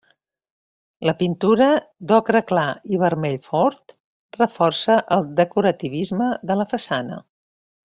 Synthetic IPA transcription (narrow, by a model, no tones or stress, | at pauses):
ləpint̪uɾəd̪ɔkɾəklaiβ̞əɾmɛʎfɔɾt̪ | rəfɔrsəʔəlˠd̪əkuɾət̪iβ̞izməðələfəsanə̰